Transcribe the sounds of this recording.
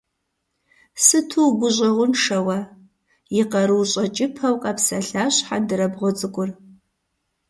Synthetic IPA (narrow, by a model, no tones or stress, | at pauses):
sɨtʰuwɡʷʊʑʼɐʁʷʊnʂɐwɐ | jɪqɐɾɨːɕʼɐt͡ʃʼɪpʰɐwqʼɐpsɐɬaːɕħadɨɾɐbʁʷɔt͡sʼɨkʷʼʊr